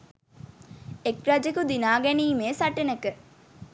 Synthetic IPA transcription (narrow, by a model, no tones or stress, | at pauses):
ekɾɐd͡ʒekud̪inaːɡɛniːmeːsɐʈənəkə